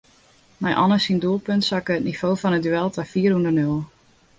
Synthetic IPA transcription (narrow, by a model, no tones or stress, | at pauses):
mɛjʔɔ̰nəsinduəlˠpøntsakəətnifoːfɔnədyɛlˠtafiːərundərnølˠ